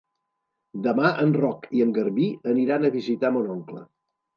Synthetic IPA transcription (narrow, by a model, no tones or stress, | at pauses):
d̪əmaʔənrɔkiəŋɡəɾβiəniɾanəβizit̪amonɔŋklə̰